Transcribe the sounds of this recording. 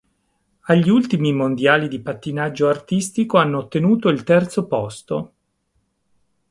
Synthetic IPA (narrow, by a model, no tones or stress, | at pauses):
aʎːiult̪imimond̪jaːlid̪ipat̪ːinad͡ʒːoart̪ist̪ikoanːoːt̪ːenuːt̪oilt̪ɛrt̪sopɔst̪o